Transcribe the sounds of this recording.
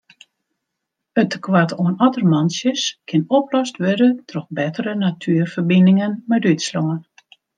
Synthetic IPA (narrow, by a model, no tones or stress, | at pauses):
ətəkʰwatoənɔtərmansjəskʰɪnɔplɔstʋødətʰrɔxbɛtərənatʰyːrfərbindɪŋənmɛdytsloŋən